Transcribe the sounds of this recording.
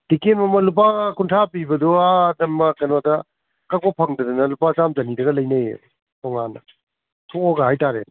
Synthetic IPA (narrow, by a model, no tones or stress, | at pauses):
d̥ikenmɐmɐlup̬akuntʰapibɐduaːdɐmbɐkɐnodɐ | kak̚bɔpʰɐŋdɐdɐnɐlupasamd͡ʒɐnidɐɡɐlɐjnɐj̰ | tɔŋanɐ̰ | tʰooɡɐɦajtaɾe